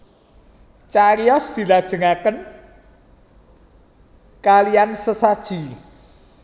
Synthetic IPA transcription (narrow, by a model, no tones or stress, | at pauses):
t͡ʃaɾiɔsd̪̥i̤lad̥ʒ̥ə̤ŋakən | kaliansəsad̥ʒ̥i̤